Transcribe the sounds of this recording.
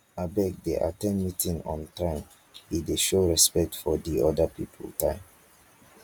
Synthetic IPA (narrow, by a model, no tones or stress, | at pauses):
abɛk̚deʔa̰tɛ̃nmitʰĩŋɔ̰̃ntãɪ̃m | hideʃoɹɛspɛk̚tfɔdiɔdəpipʰə̰ltãɪ̃m